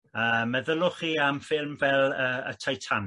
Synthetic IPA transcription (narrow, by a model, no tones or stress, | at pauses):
əmːɛðəlʊχiːamfɪlˠmvɛlˠəːə̰tʰajtʰan